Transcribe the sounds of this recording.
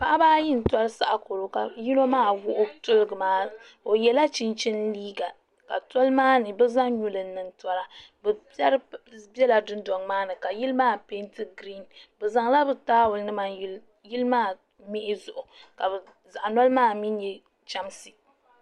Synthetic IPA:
pa˦ʔa˦baː˦ji˦n̩˨twa˦ɾsa˨ʔa˨ko˨ɾo˨ka˨ji˦no˦maː˦wʊ˦ʔʊ˦tʊ˦lɨ˨ɡɨ˨maː˦ | o˨jɛ˨la˦t͡ʃi˦nt͡ʃi˦nliː˦ɡa˨ | ka̰˨tɔ˦lmaː˦nɨ˨bɨ˦za˦ŋɲu˦lɨ˨n˦nɨ˨n˦tɔ˦ɾa˦bɨ˨˦ɛ˦ɾbɛ˦la˨dʊ˦ndɔ˨ŋmaː˦nɨ˨ka˨ji˦lmaː˦pe˦ntɨ˦ɡɾi˦˨nbɛ˨za˨ŋla˦bɨ˨taː˦wʊ˨lnɨ˦ma˦ | ji˦lmaː˦ | mɪ˦ʔɪ˦zʊ˨ʔʊ˨ka˨bɨ˨ | za˨ʔa˨nɔ˦lmaː˦˨mi˦n˦jɛ˨ | t͡ʃa˦msi˨

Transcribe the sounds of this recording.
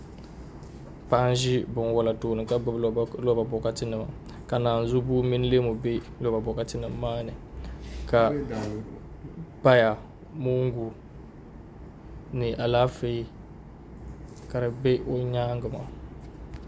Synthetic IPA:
pa˦n˦ʒɪ˦bɨ˨n˦wɔ˨la˨toː˨nɨ˨ka˦bblo˦ba˨bɔ˨ka˦tɪ˦nɨ˨ma˨ | ka˨naː˨n̩˨zʊ˦bu˦mi˦n˦le˦mo˨be˦ | lo˦ba˨bɔ˨ka˦tɪ˦nɨ˨mː˦aː˦nɨ˨ka˨ | pa˦ja˨ | mo˦ŋ˦ɡu˨ | nɨ˨ʔa˨laː˦fe˦ | ka˨ɾɨ˨bɛ˦ʔo˦ɲaː˦ŋ˦ɡɨ˨ma̰˨

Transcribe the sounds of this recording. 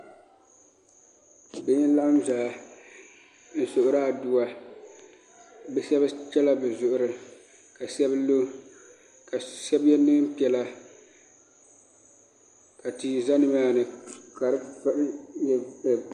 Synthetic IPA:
bɪ˦la˦mzaː˨˦ | n̩˨sʊ˨ʔʊ˨ɾaː˦˨du˦wa˨ | bɛ˨˦sɛ˦ba˦t͡ʃɛ˦la˦bɛ˨zʊ˨ʔʊ˨ɾɨ˨ | ka˨sɛ˦blo˦ | ka˨sɛ˦bjɛ˦nɨ˦m˦pi˨ɛ˨la˦ | ka˨tiː˨za˦nɨ˦m˦aː˦nɨ˨ka˨ɾɨ˦pa˦jɛ˨

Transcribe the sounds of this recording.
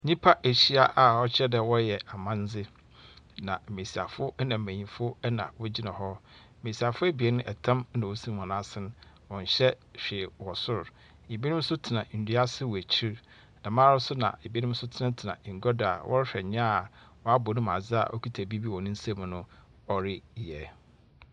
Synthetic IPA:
ɲĩ˦pʰa˦ʔe˨ɕi˦a˦ʔa˨ɔ˦t͡ɕʰɛ˦dɛ˨wɔ˦jɛ˨a˨mã˦n˦d͡zɪ˦ | nã˨me˨si˨a̰˨fʊ˦nã˨m̩˨mæ̃˨ɲĩ˨fʊ˦nã̰˨wɔ˦d͡ʑi˦nã˨hɔ˦˨ | me˨si˨a˨fʊ˦æ˦bi˨ɛ˦nʊ̃˦ʔɛ˨tʰã˦m˦nã˨wɔ˦sĩ˦˨ã˨nã˦sɪ̃˦n˦ | wɔ̃˨ɲ˨ɕɛ˦ɕᶣeː˨wɔ˨sʊ˦ɾ | e˨bi˦nɪ̃˦m˦sʊ˦tʰɪ˨nã˨n̩˨di˦a˦sɪ˦wæ˨t͡ɕʰi˦ɾ | nã˨mã˦ɾʊ˦sʊ˦nã̰˨e˨bi˦nɪ̃˦m̩˦sʊ˦tʰɪ˦nã˦tʰɪ˨nã̰˨ŋ̩˨ɡɔ˦da̰˨wʔɔ̰˦ɾɕᶣɛ˨ɲ˦ã˦a˨ | wɔ˦a˦bɔ˨nʊ̃˦m˨a˨d͡zɪ˦a̰˨ʔɔ˦kʰi˦tʰæ˨bi˦bi˦wɔ˨nʊ̃˦n̩˦sa˦m̃˨nʊ̃˦ | ɔ˦ɾɪ˦˨ɛ˨

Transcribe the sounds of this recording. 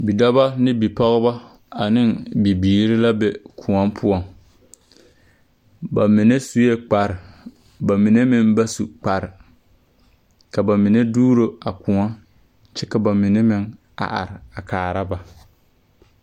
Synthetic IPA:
bi˨da˦ba˦nɪ˦bi˨pɔ˦ɣɪ˦ba˦ | a˨nɪ˦ŋbi˨biː˨ɾɪ˦la˦bɛ˨kʰʊ˨ŋɔ˦mpʰʊ˦ɔ˨ŋ | ba˨mɪ˨ne˦su˦je˦k͡pa˨ɾɪ˨ | ba˨mɪ˨ne˦mɪ˦nba˦su˨k͡pa˨ɾɪ˨ | ka˨ba˨mɪ˨ne˦duː˦ɾo˦a˨kʊ˨ŋa˦ | t͡ʃɛ˦ka˨ba˨mɪ˨nɛ˦mɪ˦ŋ | a̰˨ʔa̰˨ɾɪ˨a˨kaː˨ɾa˦ba˨

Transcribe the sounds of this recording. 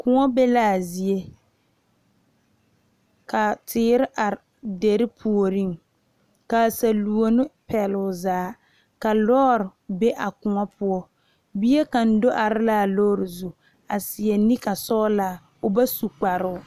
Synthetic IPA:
kʊ˨ŋɔ˦bɛ˦laː˦˨zi˦e˦ | ka˨tʰɪː˨˦ɾɪ˦ʔa˨ | de˨ɾɪ˦pʰu˨o˨ɾi˦˨ŋ | ka˨sa˨lu˨o˨nɪ˦pɛ˨lʊ˨zaː˦ | ka˨lɔː˦ɾɪ˨be˦ʔa˨kʊ˨ŋɔ˦pʰʊ˦ɔ˦ | bi˦e˦ka˨n̩˦do˦ʔa˨ɾɪ˦la˦˨lɔː˦ɾɪ˨zu˨ | a˨sɪ˨ɛ˨ni˦ka˨sɔ˦laː˨ | ʊ˨ba˦su˨k͡pa˨ɾʊ˦ʊ˦˨

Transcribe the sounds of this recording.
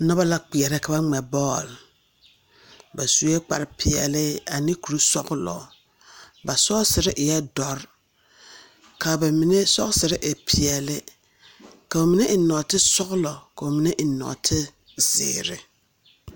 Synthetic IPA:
nɔ˦ba˦la˦k͡pi˨ɛ˨ɾɪ˦ka˨ba˦ŋ͡mɛ˨bɔː˦˨l | ba˨su˨˦e˦k͡pa̰˨ɾɪ˨pʰɪ˨ɛ̰˨lɪ˦a˨nɪ˦ku˨ɾu˦sɔ˦ɣlɔ̰˨ | ba˨sɔ˦sɪ˨ɾɪ˦ʔɪ˨jɛ˦dɔ˨ɾ | kʰa˨ba˨mi˨ne˦sɔ˦ɣsɪ˨ɾɪ˦ʔɪ˨pʰɪ˨ɛ˨lɪ˦ | ka˨o˨mi˨ne˦ʔɪ˨nɔ˨tɪ˦sɔ˦ɣlɔ˨ka˨o˨mi˨ne˦ʔɪ˨nɔ̰˨tʰɪ˦ | z̥ɪ̰ː˨ɾɪ̰˨

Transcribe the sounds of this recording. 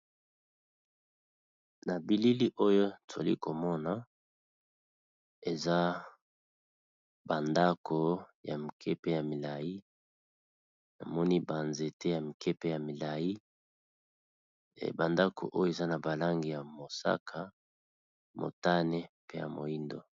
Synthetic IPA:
na˨bi˨li˦li˦ʔo˦jo˦tʰlḭ˦ko˨mɔ˦na˨ | e˨za˦ | ba˨nda˦kʰo˨ja̰˨mi˨kʰe˦pe˦ja˨mi˨la˨ji˦ | na̰˨mɔ˦ni˦ba˨nze˨te˦ja˨mi˨ke˦pe˦ja˨mi˨la˨ji˦˨ | ba˨nda˦kʰo̰˨ʔo˦jo˦e˨za˦na˨ba˨la˦ŋɡi˨ja˨mo˨sa̰˦kʰa˦ | mo̰˨ta˦ne˦pe˦ja̰˨mo̰˨i˦ndo˨

